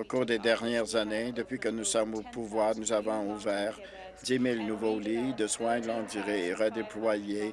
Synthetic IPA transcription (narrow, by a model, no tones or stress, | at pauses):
okuːʁd̪ed̪ɛʁnjɛʁzaned̪əpɥikənusɔmopuvwaːʁnuzavɔ̃uvɛːʁ | d̪imilnuvolid̪əswɛ̃ɡlɑ̃d̪iʁeːʁəd̪eplwaje